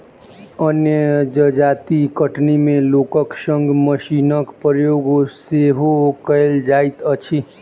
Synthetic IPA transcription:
ənjəd͡ʒəd͡ʒaːt̪ikəʈnimẽlokəkʃə̃ŋɡməʃinəkpəɾjoːɡoseɦokəeld͡ʒaːit̪ət͡ʃʰi

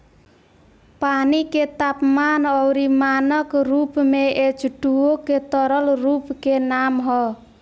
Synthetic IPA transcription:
paniket̪ap̚manɔwɾimanɔkɾupmee̥ʒ̥ṳɖ̥uoket̪ɔɾɔlrup̚kenamɦɔ

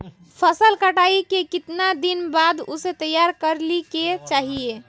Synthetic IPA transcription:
pʰəsəlkəʈaikekit̪nad̪inbad̪o̰set̪əjaɾkəɾliket͡ʃaɦie

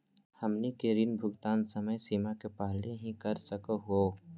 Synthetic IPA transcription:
hɐmnikeɾinbʱʊɡt̪aːnsəməjsiːmakepaɦleɦĩkɐɾsəkəɦuoː

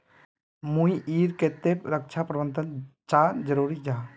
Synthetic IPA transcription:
mũjʔiɾket̪epɾək̚t͡ʃʰapɾəbənt̪ənt͡ʃad͡ʒəɾuɾid͡ʒa

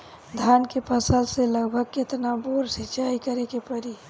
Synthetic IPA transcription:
d̪ʱaːnkepəsəlseləɡbʱəɡkɪt̪naboːɾsɪt͡ʃaːikəɾekepəɾi

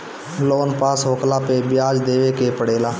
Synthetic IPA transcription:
loːnpaːsɦoːklapebjaːd͡ʒd̪eːʋekepəɽeːlaː

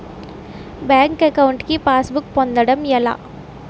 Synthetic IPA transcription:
bjaːŋkɐkɐwuɳʈkipaːsbukpond̪ɐɽɐmɛla̰ː

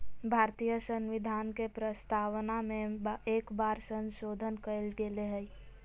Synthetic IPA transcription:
bʱaːɾt̪ijəsə̃nʋɪd̪ʱaːnkepɾəst̪ʰaːwnamẽeːkbaːɾsə̃nʃoːd̪ʱənkəlɡeleɦəi

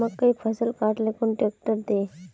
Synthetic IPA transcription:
əɡkːaiːfəsəlkaʈ̪lekuːɳʈek̚ʈəɾd̪e

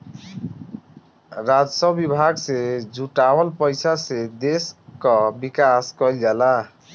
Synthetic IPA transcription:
ɾad͡zsʌbibʱaɡsed͡ʒuʈawəlpəjsased̪eskʌbikaskʌld͡ʒala

